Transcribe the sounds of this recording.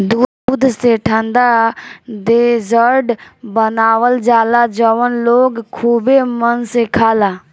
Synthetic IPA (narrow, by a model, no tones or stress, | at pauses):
d̪uːd̪bud̪ʱseʈʰə̃nd̪ad̪ezəɾɖbənaːʋəld͡ʒaːlad͡ʒəʋənloːɡkʰuːbemənsekʰaːlaː